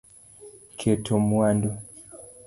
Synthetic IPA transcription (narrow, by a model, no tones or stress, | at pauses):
kʰetʰomwando